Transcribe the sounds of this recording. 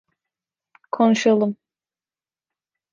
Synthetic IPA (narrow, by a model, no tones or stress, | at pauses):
kʰo̞nuʃalˠɯm